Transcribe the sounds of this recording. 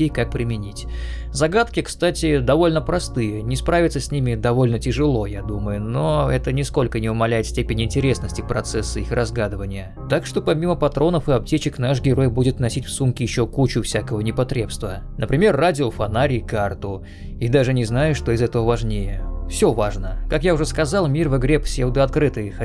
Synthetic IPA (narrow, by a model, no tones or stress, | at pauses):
ejkak̚pɾʲɪmʲɪnʲitʲ | zɐɡat̪kʲɪkst̪atʲɪd̪ɐvo̞lʲnəpɾɐst̪ɨjənʲɪspɾavʲɪt̪səsʲnʲimʲɪd̪ɐvo̞lʲnətʲɪʐɨlˠo̞jad̪uməjʊnoɛt̪ənʲɪsko̞lʲkənʲɪʊmɐlʲæjɪt̪sʲtʲepʲɪnʲɪɪnʲtʲɪɾʲe̞snəsʲtʲɪpɾɐt̪sɛsːɨixrɐzɡad̪ɨvənʲɪjə | t̪akʂt̪o̞pɐmʲiməpɐt̪ɾo̞nəfɨɐp̚tʲet͡ɕɪknaʂɡʲɪɾo̞jbudʲɪt̪nɐsʲitʲfsumkʲɪjɪɕːokut͡ɕʊfsʲakəvənʲɪpɐt̪ɾʲe̞pst̪və | nʔəpɾʲɪmʲe̞rːadʲɪofɐnaɾʲɪːkart̪ʊ | id̪aʐɨnʲɪznajʊʂt̪o̞ɪzɛt̪əvəvɐʐnʲejəfsʲovaʐnəkakjaʊʐɛskɐzɑlˠmʲirvɨɡɾʲepsʲevd̪əɐt̪̚kɾɨt̪ɨx